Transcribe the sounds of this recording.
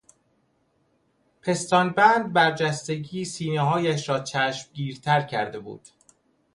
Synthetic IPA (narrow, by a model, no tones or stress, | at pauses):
pʰe̞st̪ɒːnbænd̪̚bæɾd͡ʒæst̪e̞ɟiːsiːneɦɒːjæʃɾɒːt͡ʃʰæːʃmɟiːɾt̪ʰæɾcʰæɾd̪e̞bṵːd̪̥